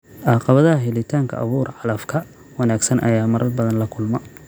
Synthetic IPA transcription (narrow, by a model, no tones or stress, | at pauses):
ʔɑːqɑβɐðɐɦɐɦɛlɪt̪ʰaːŋkʰɐ̰ʔɐ̰βuːrʕɑlɐfkʰɐ | wɑnaːɡsɐnʔɐjaːmɐɾʔɐrbɐðɐnlɐkʰʊlmɐ